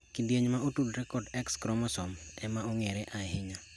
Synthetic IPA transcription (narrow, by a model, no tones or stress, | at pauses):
kindjeɲmaotudɾɛkɔrdɛkskɾɔmɔsɔmɛmaoŋɛɾɛʔaɛɦɪɲa